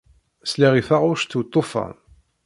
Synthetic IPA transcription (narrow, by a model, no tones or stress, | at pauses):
sliʁifaʁʊɾʃt̪ːut̪ˤːofɑ̰